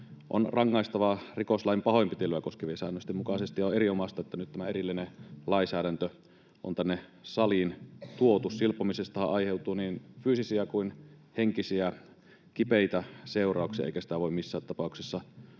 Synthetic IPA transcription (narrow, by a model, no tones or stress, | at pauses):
ʔo̰nrɑŋːɑist̪ɑʋɑrikoslɑimpɑhoimpit̪ilːøækoskeʋiesæ̰ːnːøst̪imukɑsest̪ijoeɾiomɑst̪ɑet̪ːænyt̪t̪æmæeɾilːinelɑisæːɾænt̪ø | ʔo̰nt̪ænːesɑlint̪uot̪ussilpːˑomisest̪ɑhɑ̰ʔʔɑjheut̪uːniːnfyːsisiækuinheŋkisiæ | kipeit̪æseurˑɑˑuksijɑ̰ʔḛikæsi̥t̪æʋoˑimmisːæːt̪t̪ɑpɑˑuksisːɑ